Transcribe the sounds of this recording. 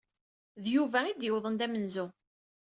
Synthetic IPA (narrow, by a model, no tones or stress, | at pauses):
ðjuvæid̪jəwðˤənd̪æmənzu